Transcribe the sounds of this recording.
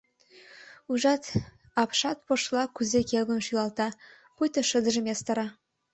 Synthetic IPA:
uʒɑt̪ | ɑpʃɑt̪̚poʃlˠɑkyzekʲelɡə̆nʃylˠɑlˠt̪ɑ | pujt̪ɤ̆ʃə̆d̪ə̆ʒə̆mest̪ɑ̆ɾɑ

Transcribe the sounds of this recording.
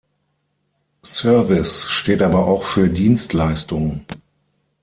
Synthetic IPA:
sœɐvɪsʃteːtʔaːbɐʔaʊxfyːɐdiːnstʰlaɪstʊŋə

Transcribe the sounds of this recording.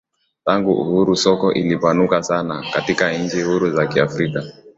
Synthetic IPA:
taŋɡuʔṵhuɾusɔkɔʔilipanukasanakatikan̩t͡ʃihuɾuzakiafɾika

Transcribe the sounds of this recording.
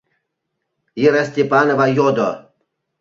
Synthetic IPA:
iɾasʲt̪ʲepanɔvajɔd̪ɔ

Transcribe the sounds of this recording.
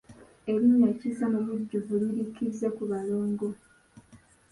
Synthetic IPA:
e̞βiɲːacizamuβuɟːuvuliɾikizekuβaloːŋɡo̞

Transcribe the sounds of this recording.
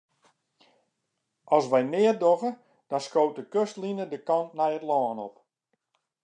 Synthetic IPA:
ɑlˠsʋɛjmɪːərdɔɣə | d̥ɔnskowtəkøstlinədəkɔntnɛjətlɔːnɔp

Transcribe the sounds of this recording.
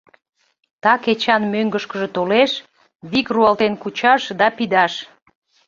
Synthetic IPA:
t̪ɑket͡ɕɑnmøŋɡəʃkəʒet̪oleʃ | βikruɑlt̪enkut͡ɕɑʃd̪ɑpid̪ɑʃ

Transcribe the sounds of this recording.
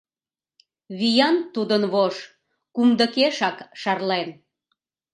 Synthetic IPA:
βijɑnt̪ud̪ənβoʃ | kumd̪əkeʃɑkʃɑrlen

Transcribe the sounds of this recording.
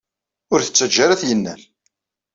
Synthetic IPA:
ʊɾθə̥t͡sːəd͡ʒːaɾæθjənːæ̰l

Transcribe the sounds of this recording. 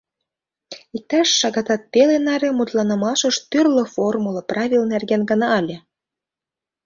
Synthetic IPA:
ik̚t̪ɑʃːɑɣɑt̪ɑt̪ːelenɑɾemut̪lɑnə̆mɑʃɤ̆ʃt̪yrlɤ̆formulˠɤ̆prɑβʲilnerɣenɡɤ̆nɑːlʲĕ

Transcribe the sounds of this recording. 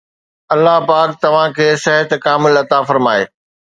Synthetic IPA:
ɐlːaɦpaːkt̪ɐʋ̤ãkʰeːsɛɦət̪kaːmɪlɐt̪afɐɾmaːeː

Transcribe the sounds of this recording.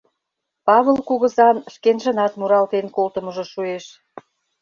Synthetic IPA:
pɑβəlkuɣə̆zɑnʃkenʒə̆nɑt̪muɾɑlt̪enkolt̪ə̆mə̆ʒɤ̆ʃueʃ

